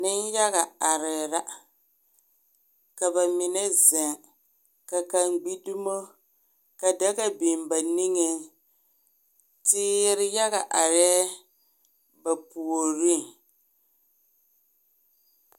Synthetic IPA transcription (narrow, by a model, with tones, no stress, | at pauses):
nɪ˦nja˦ɣa˨a˨ɾɪ˨ɾa˦ | ka˨ba˨mɪ˨nɛ˦zɛ˨ŋ | ka˨ka˨ŋɡ͡bi˦du˦mo˦ | ka˨da˦ɣa˦bi˨mba˨ni˦ŋe˨ | tɪː˦ɾɪ˦ja˦ɣa˨ʔa˨ɾɛː˦ | ba˨pu˨o˨ɾi˦ŋ